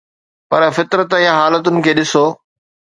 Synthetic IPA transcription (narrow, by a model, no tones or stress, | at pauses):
pɐɾfɪt̪ɾət̪ɪɦãɦaːlət̪̬ʊnɪ̆kʰeːɗɪsoː